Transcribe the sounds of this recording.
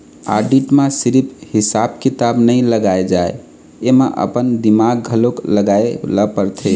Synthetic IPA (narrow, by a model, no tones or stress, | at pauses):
a̰ɖiʈmẽsiɾipʰhisabkit̪abnəjləɡaed͡ʒae | emẽʔə̰pənd̪imaɡɡʱəlokləɡaeləpəɾt̪ʰe